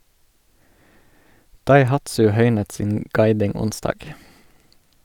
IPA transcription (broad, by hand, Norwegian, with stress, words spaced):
dɑɪˈhɑtsʉ ˈhœʏnət ˈsiːn ˈɡɑɪdɪŋ ˈʊnsdɑːɡ